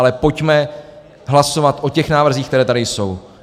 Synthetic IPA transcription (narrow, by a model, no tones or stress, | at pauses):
lɛpo̞cmɛ | ɦlaso̞vat̪ʔo̞cɛxnaːvr̩ziːxkt̪ɛɾɛːt̪adɪjso̞w